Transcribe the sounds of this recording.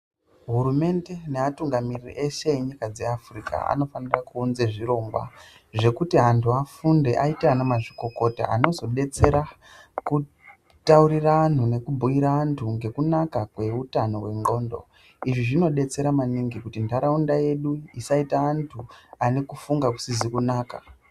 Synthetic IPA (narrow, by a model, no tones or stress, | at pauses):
ɦurume̞nde̞neatuŋɡamirirḭʔe̞ʃe̞eɲikad͡ze̞afrika̰a̰no̞fanirakuːnze̞ʐiro̞mbwa̰ | ʐe̞kutiɦantʰuafunde̞ʔaiteanamaʐiko̞ko̞ta̰a̰no̞zo̞ɗe̞t͡se̞ɾa | ku | tauɾiraan̤une̞kubʱujiɾaantʰuŋɡe̞kunakakwe̞utano̞̰we̞ŋɡo̞ːndo̞̰ | iʐiʐino̞ɗe̞t͡se̞ɾamaniŋɡikutindaɾaundaje̞ɗuisaitaːntʰuane̞kufuŋɡaku̥sizikunaːka